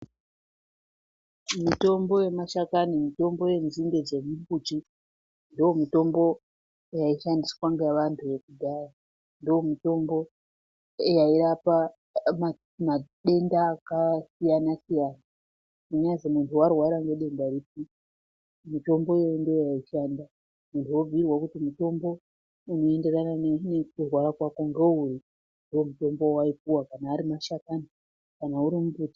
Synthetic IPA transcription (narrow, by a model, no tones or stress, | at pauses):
mito̞mbo̞je̞maʃakanimito̞mbo̞je̞nziŋɡe̞d͡ze̞mubuti | ndoomito̞mbo̞ | jaiʃandiswaŋɡeʋantʰuʋe̞kudara | ndoomito̞mbo̞ | jaiɾapa | m | maɗe̞ndaːkasijanasijaːna | iɲazemuntʰuwarwaɾaŋɡe̞ɗe̞ndaɾiti | mito̞mbo̞ondiojaiʃanda | muntʰuwoviirwakutimuto̞mbo̞ | uno̞e̞nde̞ɾanannekurwaɾakwakoŋɡeuri | ndomuto̞mbo̞waipuwakanaːɾimaʃakana | kanauɾimubuti̥